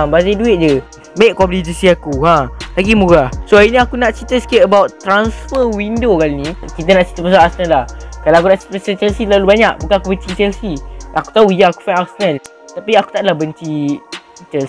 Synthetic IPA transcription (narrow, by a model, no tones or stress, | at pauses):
mbazaduɪt̪̚d͡ʒə | meʔkɔplid͡ʒəsiakuɦãlaɡimuɡasoainĩakunaʔt͡ʃit̪əskeʔəbawʔt̪ɾansfəwindokalinikit̪ənaʔt͡ʃi̥t̪əpəsaʔasənəlahkalawakunaʔt͡ʃi̥t̪əsət͡ʃɛlsilalubaɲak̚bukanakubənt͡ʃisɛlsiʔaku̥t̪auijəaku̥fajnasənal | t̪apiaku̥t̪aʔdlahbənt͡ʃi | t͡ʃɛl